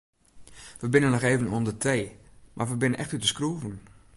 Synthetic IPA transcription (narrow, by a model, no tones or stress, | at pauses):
ʋəbɪnənːɔxeːvənuəndətʰeːmʔa̰rʋəbɪnənʔɛxtytəskruːvən